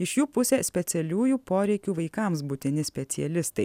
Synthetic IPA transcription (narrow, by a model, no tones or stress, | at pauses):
ɪʃjuːpʊsʲɛːsʲpʲɛt̪sʲɛlʲuːjuːpoːɾʲɛɪkʲuːʋɐɪkɐmsbʊt̪ʲɪnʲɪsʲpʲɛt̪sʲɪɛlʲɪst̪ɐɪ